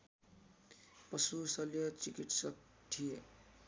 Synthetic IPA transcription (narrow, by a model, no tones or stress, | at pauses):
pʌsusʌljʌt͡sikiʈsʌk̚ | t̪ʰije